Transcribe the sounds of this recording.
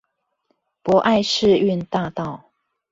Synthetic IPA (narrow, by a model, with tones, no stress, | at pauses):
pwɔ˧˥ʔa˥˧ɪʂɻ̩˥˧y˥˧nt̪a˥˧t̪ɑ˥˩˨ʊ